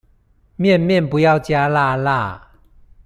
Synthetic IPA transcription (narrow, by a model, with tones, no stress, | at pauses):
mjɛ˥˨nmjɛ˥˨npu˨˦ja˥˨wt͡ɕja˦˥la˥˧la˥˩˨